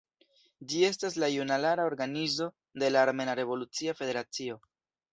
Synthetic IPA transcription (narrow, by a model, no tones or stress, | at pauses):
d͡ʒie̞stas̬lajunalaɾao̞ɾɡanizo̞ | de̞laːɾme̞naɾe̞vo̞lut͡siafe̞de̞ɾat͡sio̞